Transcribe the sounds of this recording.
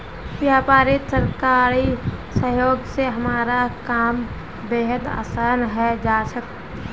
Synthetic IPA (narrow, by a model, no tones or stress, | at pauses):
ʋjaːpaːɾit̪səɾkaːɾisəɦjoːɡseɦəmaːɾakaːm | beːɦəd̪a̰ːsaːnɦɛd͡ʒaːsək